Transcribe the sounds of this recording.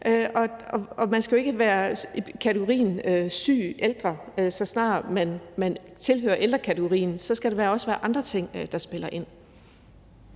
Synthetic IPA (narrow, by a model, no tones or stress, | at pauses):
ʔøɒ̽ɒ̽ɒ̽mænsɡ̥æjoe̝ɡ̥əʋæːɐkʰæt͡sʰɪɡ̥o̝ʁḭːn̩øsy̰ːʔeld̥ʁɐøsɒ̽snɑ̰̈ːmænmænt͡sʰe̝lɦø̰ːɐʔeld̥ɐkʰæt͡sʰɪɡ̥o̝ʁḭːnsɒ̽sɡ̥æd̥eʋæːɐɒ̽sʋæːɐʔɑ̈nd̥ʁɐt͡sʰe̝ŋ̰d̥ɑ̈sb̥e̝lɐʔe̝n̰